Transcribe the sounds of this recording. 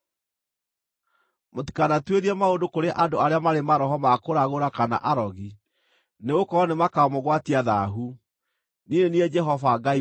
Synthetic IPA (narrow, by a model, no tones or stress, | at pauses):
moti̥kanatweɾiɛmaodokoɾeʔandoaɾeamaɾemaɾɔɦɔmakoɾaɣoɾakana̰ʔaɾɔɣi | neɣokɔːnemakaɔmoɣwatiaðaɦu | nineniɛd͡ʒɛɦɔvaɡai